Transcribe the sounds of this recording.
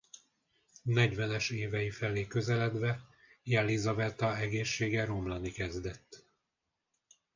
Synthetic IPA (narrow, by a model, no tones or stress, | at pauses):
nɛɟvɛnɛʃeːvɛjifɛleːkøzɛlɛd̪ʋɛ | jɛlizɒvɛt̪ɒɛɡeːʃːeːɡɛɾo̞mlɒnikɛzd̪ɛt̪ː